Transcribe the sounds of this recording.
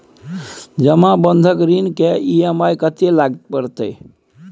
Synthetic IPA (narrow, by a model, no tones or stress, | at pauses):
d͡ʒəmãbənd̪ʱəkɾinkeiemajkət̪elaɡt̪pəɾt̪əj